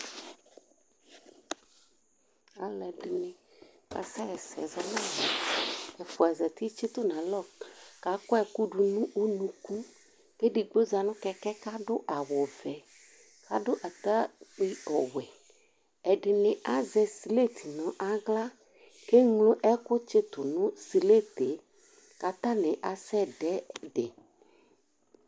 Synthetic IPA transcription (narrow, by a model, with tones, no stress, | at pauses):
a˨lɛ˨ɖɪ˨nẽ˨ka˨sɛ˦ɛ˨sɛ̰˨zɔ˨nã˦˨ɛ˨fʊ˨ɛ˨zɛ˨t̪i˦t͡ʃi˦t̪ʊ˦nã˨lɔ˦˨ka˨˦kɔ˦ɛ˨ku˦ɖu˨nũ˦ʔo˦nũ˦ku˦ | ke˦ɖi˨ɡ͡bo˦za˨nʊ̃˦kɛ˦kɛ˦ka˦ɖʊ˦ʔa˨wɔ˨vɛ˨ | ka˦ɖʊ˦ʔa˨t̪a˦k͡pi˦ɔ˨wɛ˨ | ɛ˨ɖɪ˨nɪ̃˨ʔa˦zɛ˨si˨le˦˨t̪ʰi˨nɔ̃˨ʔa˦ɡla˦ | ke˦ŋlo˦ʔɛ˦kʊ˦t͡ʃe˦t̪ʊ˨nũ˦si˨le˦t̪e˨˦ | ka˨t̪ã˦nɛ̃˨ʔa˨sɛ˦ɖɛ˦ɖe˨